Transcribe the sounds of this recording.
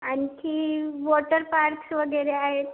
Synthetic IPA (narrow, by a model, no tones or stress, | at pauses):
añikʰiːʋoʈəɾpaɾksʋəɡəɾeaɦet̪